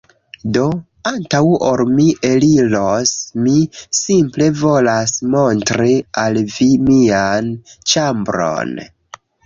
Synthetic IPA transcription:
do̞ | antawoɾmiʔe̞lilosmisimple̞vo̞lasmo̞ntɾialvimiant͡ʃambɾo̞̰n

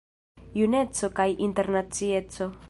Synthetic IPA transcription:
june̞t͡so̞kajʔinte̞ɾnat͡sie̞t͡so̞

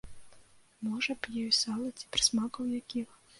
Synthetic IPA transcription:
mɔʐɐpjɛjsɑlˠɐt͡sʲi̥pɾɨ̥smakɐwjakʲix

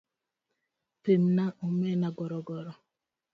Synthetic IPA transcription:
pem̩naʔomenaɡɔɾɔɡɔɾɔ

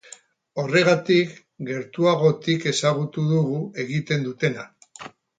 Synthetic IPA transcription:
o̞re̞ɣat̪ik | ɡe̞ɾt̪uaɣo̞t̪ike̞saɣ̞ut̪uðuɣue̞ɣit̪e̞nd̪ut̪e̞na

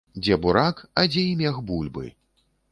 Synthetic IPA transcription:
d͡zʲɛbuɾakɐd͡zʲɛimʲaxbulʲbɨ̰

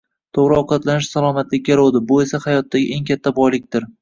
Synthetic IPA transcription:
t̪ʰoʁɾɪɒqʰɑt̪lanɪʃsalˠɒmat̪lɪkʲlʲaɾod̪ɪbʊe̞sahajɒt̪ʰːaɡʲɪʔe̞ŋkʲʰat̪ʰːabɒjlɪk̚ʲt̪ɪɾ

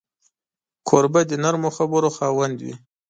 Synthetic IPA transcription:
kʰoɾbad̪ənaɾmoxabəɾoxɑwand̪wḭ

